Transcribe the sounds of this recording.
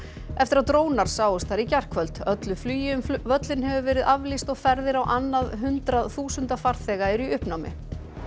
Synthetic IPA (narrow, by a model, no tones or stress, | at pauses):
ɛft̪ɪɾaðt̪ɾoːwnaɾ̥saːwʏst̪θaɾicɛr̥kʰvœlt̪œt̪lʏflyːjɪʏmvœt̪lɪnɦɛvʏvɛːɾɪðavlist̪ɔɣfɛɾðɪɾawʔanːaðɦʏnt̪ɾaðθuːsʏnt̪afaɾ̥θɛːɣaɛɾiʏhpnawmɪ̰